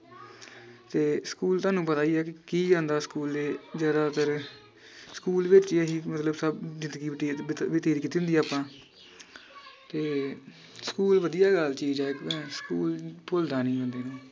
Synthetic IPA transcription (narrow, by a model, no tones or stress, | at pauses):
t̪eːskuːlt̪ʊaːnũːp̬ət̪aːiːɛːkɪkiːd͡ʒãːnd̪aːskuːleːd͡ʒaːd̪aːt̪əɾ | skuːlʋɪt͡ʃəɦiːmət̪ləbsəbd͡ʒɪ̃nd̪ɡiːɪʈiʋɪt̪iːd̪kiːt̪ːiːɦʊnd̪iːaːpãː | t̪eː | skuːlʋəd̪ijaːɡəlt͡ʃiːd͡ʒaːkɛ̃skuːlpʊld̪aːnĩːɡə̃nd̪eːnãː